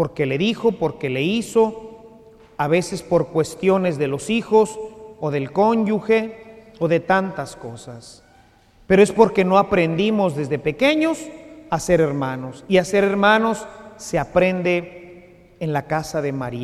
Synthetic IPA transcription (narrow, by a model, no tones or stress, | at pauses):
po̞ɾke̞le̞ðixo̞po̞ɾke̞le̞iso̞ | aβe̞se̞spo̞ɾkwe̞st̪jo̞ne̞zðe̞lo̞sixo̞soðe̞lko̞ɲd͡ʒuxe̞ | oðe̞t̪ant̪asko̞sas | pe̞ɾoe̞spo̞ɾke̞no̞apɾe̞nd̪imo̞zðe̞zðepe̞ke̞ɲo̞sase̞ɾe̞ɾmãno̞siase̞ɾe̞ɾmano̞sːe̞apɾe̞nd̪e̞ː | nlakasaðe̞maɾia